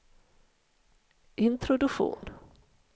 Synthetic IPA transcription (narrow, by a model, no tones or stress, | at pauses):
ʔɪnt̪ʰɾʊd̪ɵɧṵːn